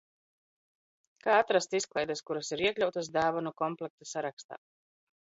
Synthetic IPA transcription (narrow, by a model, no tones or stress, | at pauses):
kaːat̪ɾast̪isklˠɛjd̪askuɾasiɾiɛklʲawt̪as̬d̪aːvanukɔmplˠɛk̚t̪asaɾakst̪a̰ː